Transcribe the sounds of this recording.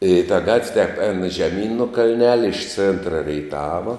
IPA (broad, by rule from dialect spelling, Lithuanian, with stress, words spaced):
ɪ tɐ ˈɡɐtʲʋʲ tʲɛp ɛːn ʒʲɛˈmʲiːn nʊ kɐlʲˈnʲæːlʲɛ ɪʃ ˈt͡sʲeːntrɐ rʲɛɪˈtɑːʋɐ